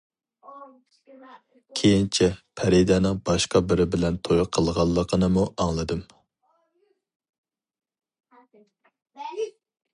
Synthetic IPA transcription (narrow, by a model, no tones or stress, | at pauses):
kʲʰejint͡ʃʰɛpʰɛɾid̪ɛnɨŋbɑʃqɑbɪɾɪbɪlɛnt̪ʰojqʰəlˠʁɑlˠːəqʰənɨmuʔɑŋlˠɨd̪ɨm